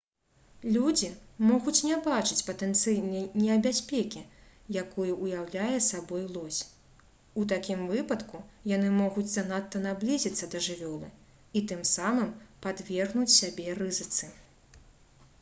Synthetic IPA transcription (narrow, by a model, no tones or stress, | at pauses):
lʲud͡zʲimɔɣut͡sʲnʲɛbat͡ʂɨt͡sʲpɐt̪ɛnt̪sɨjnɐjnʲɛɐbʲasʲpʲɛkʲi | jakɔjuʔujawlʲajɛsabɔjlˠɔsʲ | ut̪akʲimvɨpɐt̪kujanɨmɔɣud͡zʲzɐnat̪ːɐnablʲizʲit̪sːɐd̪ɐʐɨvʲɔlˠɨ̰ | it̪ɨmsamɨmpad̪vʲɛrɣnut͡sʲsʲabʲɛrɨzɨt̪sɨ